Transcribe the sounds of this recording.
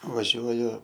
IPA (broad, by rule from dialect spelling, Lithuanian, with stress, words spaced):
ʋɐˈʒʲuɔjʊ